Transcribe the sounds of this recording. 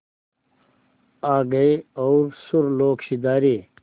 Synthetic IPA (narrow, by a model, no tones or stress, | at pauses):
aːɡɐjowɾsuɾloːkɕid̪aːɾi